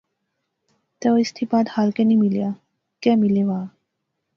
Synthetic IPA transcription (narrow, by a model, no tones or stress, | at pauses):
t̪ɛwist̪ʰipad̪halkɛ̃nimilja | kɛmileʋa